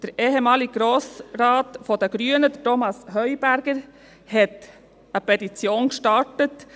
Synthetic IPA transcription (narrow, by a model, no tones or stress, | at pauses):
d̥əɾeːɦemɑːliɡ̥ɾoːsɾɑːtfɔdəɡ̥ɾyənəd̥ətomɑshœʏb̥æɾɡ̥əɾ | hɛt | əpɛtit͡sjoːnkʃtɑtət